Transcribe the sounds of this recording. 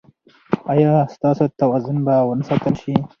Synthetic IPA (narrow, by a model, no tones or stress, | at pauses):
ajɑst̪ɑsot̪awɑzʊnbawənəsɑt̪əlʃi